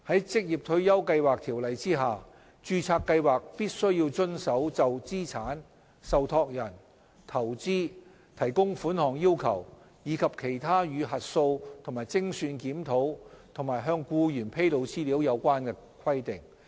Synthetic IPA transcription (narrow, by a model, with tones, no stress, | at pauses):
hɐ˨˥jt͡sɪ˥k̚jiː˨˩p̚t̪ʰɵ˧ɥjɐ˥wkɐ˧jwaː˨k̚t̪ʰiː˨˩wlɐ˨˧jt͡siː˥ɦaː˨ | t͡ʃyː˧t͡sʰaː˧kːɐ˧jwaː˨k̚piː˥t̚sɵ˥ɥjiː˧wt͡sɵ˥nsɐ˨˥wt͡sɐ˨wt͡siː˥t͡sʰaː˨˥n | sɐ˨wt̪ʰɔː˧k̚jɐ˨˩n | t̪ʰɐ˨˩wt͡siː˥ | t̪ʰɐ˨˩jkʊ˥ŋfuː˨˥nhɔː˨˩ŋjiː˥wkʰɐ˨˩w | jiː˨˧˥kʰɐ˨p̚kʰe˨˩jt̪ʰaː˥jyː˨˧ɦɐ˨t̚so˧wt̪ʰʊ˨˩ŋmaː˨˩jt͡sɪ˥ŋsyː˧nkiː˨˥mt̪ʰo˨˥wt̪ʰʊ˨˩ŋmaː˨˩jɦœː˧ŋkuː˧jyː˨˩npʰe˥jlo˨˧wt͡siː˥liː˨˥wjɐ˨˧wkʷaː˥nkɛ˧kʷʰɐ˥jt̪ɪ˨ŋ